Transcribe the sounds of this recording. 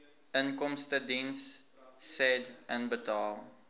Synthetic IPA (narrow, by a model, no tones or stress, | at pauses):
ənkɔmstədinsː | ɛdənbətɑːlˠ